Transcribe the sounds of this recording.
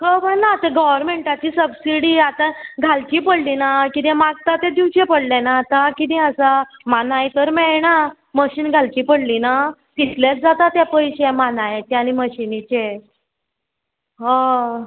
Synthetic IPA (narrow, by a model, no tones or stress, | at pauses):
kəpəɳnat̪ẽɡɔʋəɾmeɳʈat͡ɕiːsəbsiɽiat̪aɡʱalt͡ɕipəɽlinakit̪ɛ̃maɡ̚t̪at̪ẽd̪iwt͡ɕepəɽlenaːt̪akit̪̬ɛ̃əsamanajt̪əɾmɛɭna | məɕiːnɡʱalt͡ɕiːpəɽlinat̪it̪lasd͡zat̪at̪japəjɕemanajet̪aɽ̃iməɕinit͡ɕe | ɦã